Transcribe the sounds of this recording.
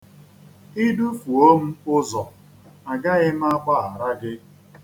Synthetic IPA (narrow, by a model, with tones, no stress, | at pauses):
i˦du˦fu˨o˦m̩˦ʊ˦zɔ˨ | a˨ɡa˦ɣɪ˦m̩˦a˦kʷa˦a˨ɾa˦ɡɪ˦